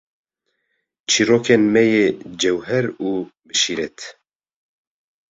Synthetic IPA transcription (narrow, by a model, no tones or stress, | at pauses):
t͡ʃʰiːɾoːkʰenmɛjeːd͡ʒɛwɦɛɾuːbɨʃiːɾɛt̪